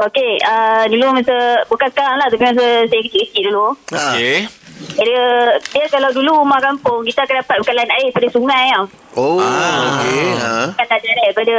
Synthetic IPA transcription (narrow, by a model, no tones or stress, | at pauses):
okeədulumasəbukansə̥kaɾaŋlaht̪apimas̬asajakət͡ʃiʔkətiʔdulue | adədiakalawdulumãkampʊŋkit̪aakandapat̪̚bukanlanaipadasuŋãja | oaokekandadaɾapada